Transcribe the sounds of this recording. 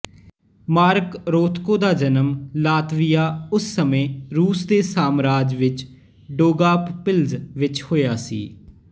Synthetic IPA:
maːɾkɾoːt̪ʰkõːd̪aːd͡ʒənəmlaːt̪ʋɪjaːʊsːəmẽːɾuːsd̪eːsaːmɾaːd͡ʒʋɪt͡ʃ | ɖoːɡaːppɪlzʋɪt͡ʃhoːjaːsḭː

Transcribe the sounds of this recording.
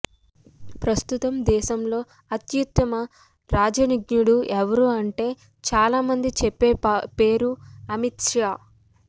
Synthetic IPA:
pɾɐst̪ut̪ɐmd̪ɛːʃɐmlo̞ː | ɐt̪jut̪ːɐmɐ | ɾaːd͡ʒɐniɡɲuɽuʔɛʋɐɾuːɐɳʈe̞ː | t͡ʃaːlaːmɐnd̪it͡ʃɛpːeːpe̞ːɾuɐmit̪ʂaː

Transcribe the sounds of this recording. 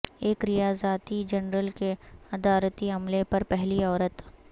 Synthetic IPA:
eːkɾɪjaːzaːt̪id͡ʒɐnɾəlkeɐd̪aːɾət̪iɦɐmlepɐɾpɛɦliɔːɾət̪

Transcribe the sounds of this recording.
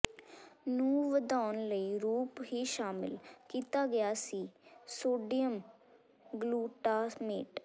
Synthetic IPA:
nũːʋəd̪aːnləiːɾuːpɦiːʃaːmɪlkiːt̪aːɡɪjaːsiːsoːɖijəm | ɡluːʈaːsmeːʈ

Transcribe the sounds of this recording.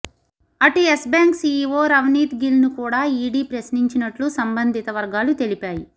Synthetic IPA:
ɐʈiesbaːŋksiːʋoːɾɐʋniːt̪ɡilnukuːɽaːiːɽiːpɾɐsniɲt͡ʃinɐʈlusɐmbɐnd̪ʱit̪ɐʋɐɾɡaːlut̪e̞lipaːji

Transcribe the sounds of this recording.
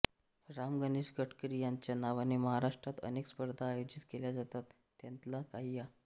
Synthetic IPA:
ɾamɡəniɕɡəʈkɾijaɲt͡ɕjanaʋaniməɦaɾaʂʈɾat̪ə̰nekspəɾd̪ʱaːjod͡ʑit̪keljad͡zat̪at̪ːjant̪lakaɦija

